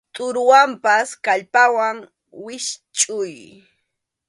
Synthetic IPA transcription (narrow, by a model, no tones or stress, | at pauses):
t̪ʼʊɾʊwampaskaʎpawaŋ | wɪʃt͡ʃʼʊj